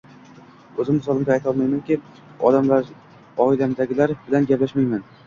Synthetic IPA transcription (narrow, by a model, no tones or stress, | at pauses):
ɵzɪmɪsɒlˠɪmɡ̪ʲaːjt̪ʰɒlˠmajmankʲɪ | ɒ̰d̪amlaɾ | ɒɪlamd̪aɡʲɪlaɾbɪlanɡʲaplaʃmajman